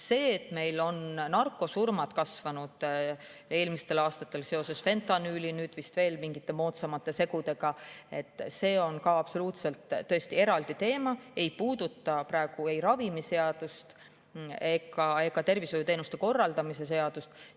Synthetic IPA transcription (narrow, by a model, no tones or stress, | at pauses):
se̞ːet̪ːˑme̞jlo̞nnɑrkːˑo̞surmɑd̪̥kɑsvɑnud̪̥ | e̞ːlmist̪e̞lɑːst̪ɑt̪ːˑe̞lse̞o̞se̞sfe̞nt̪ˑɑnyːlinyːd̪̥vist̪ve̞ːlmiŋɡit̪ːe̞mo̞ːt̪sɑmɑt̪ːˑe̞se̞ɡud̪e̞ɡ̥ɑe̞t̪ːˑse̞ːo̞nkɑɑpso̞luːt̪se̞lt̪ːɤe̞st̪ie̞ɾɑld̪it̪e̞ːmɑe̞jpuːd̪̥ut̪ːˑɑprɑe̞ɡ̥ue̞jɾɑvimise̞ɑd̪̥ust̪ | ekɑe̞kːɑt̪e̞rvisojut̪e̞ːnust̪e̞ko̞rːɑld̪̥ɑmise̞se̞ɑd̪̥ust̪